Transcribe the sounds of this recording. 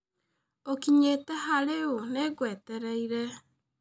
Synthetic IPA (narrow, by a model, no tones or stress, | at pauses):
okiɲetɛhaɾeoneɡwɛtɛɾaiɾɛ